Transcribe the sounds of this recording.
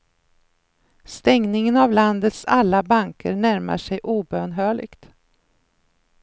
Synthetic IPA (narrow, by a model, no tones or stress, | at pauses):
st̪ɛŋnɪŋənavland̪ət̪salːabaŋkʰə̰ɾɳæɾma̰ʂɛjʔuːbøːnɦœːɭɪ̰ɡt̪